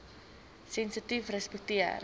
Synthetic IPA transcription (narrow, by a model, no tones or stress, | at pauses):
sɛnsitifrəspək̚tiə̰r